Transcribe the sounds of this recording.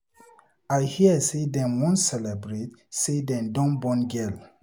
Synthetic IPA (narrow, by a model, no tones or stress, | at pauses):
ajhiəsedɛ̃nwɔ̃nsɛlɛbɹetsedɛ̃ndɔ̃nbɔ̃nɡɛl